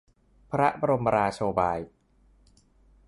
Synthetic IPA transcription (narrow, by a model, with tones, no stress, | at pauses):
pʰɾa˦˥ʔba˧ɾo˧mːa˧ɾaː˧t͡ɕʰoː˧baː˧j